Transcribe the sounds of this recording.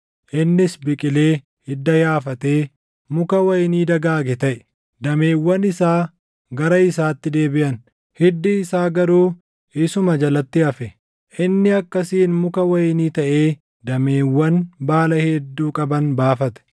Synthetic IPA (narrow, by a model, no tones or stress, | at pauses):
ʔɪnːɪsbɪkʼɪle̞ː | hɪd̪ːɐjaːfɐt̪eː | mʊkɐwɐjniːd̪ɐɡaːɡɛt̪ɐʔɛ̥ | d̪ɐme̞ːwːɐnɪsaː | ɡɐɾɐɪsaːt̪ːɪd̪e̞ːbɪʔɐn | hɪd̪ːɪːsaːɡɐɾuː | ʔɪsʊmɐd͡ʒɐlɐt̪ːɪɐfɛ | ʔɪnːɪɐkːɐsiːnmʊkɐwɐjniːt̪ɐʔe̞ː | d̪ɐme̞ːwːɐnbaːlɐhɛd̪ːuːkʼɐbɐnbaːfɐt̪ɛ̥